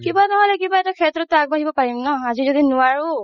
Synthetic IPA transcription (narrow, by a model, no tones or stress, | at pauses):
kibanɔɦɔlɛkibaɛtakʰɛtɹɔtːak̚baɦibɔpaɹimnɔazizodinʊwaɹu